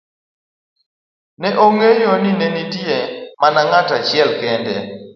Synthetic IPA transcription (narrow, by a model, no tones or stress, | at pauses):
nɛʔoŋejoninenitjemanaŋatat͡ʃɪɛlkɛndɛ̰